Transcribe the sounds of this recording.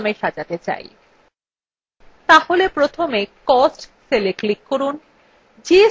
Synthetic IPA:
meʃad͡ʑat̪et͡ɕa̰j | t̪aholepɾot̪ʰomekɔsʈseleklikːoɾun | d͡ʑe

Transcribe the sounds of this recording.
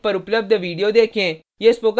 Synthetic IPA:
pəɾʊpləb̚d̪ʋiːɖijoːd̪eːkʰẽː | jeːspoːk

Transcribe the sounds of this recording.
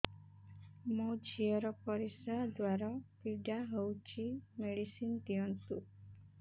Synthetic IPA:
mɔd͡ʑijɔɾɔpɔɾisad̪ʋaɾɔpiɖaɦəwt͡ɕimeɽisint̪iɔnsu

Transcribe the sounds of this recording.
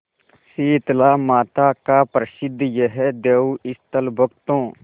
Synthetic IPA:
siːɪt̪laːmaːt̪aːkaːpɾəʃɪd̪ʱːjəɦɛd̪eːuɪst̪əlbʱək̚t̪õː

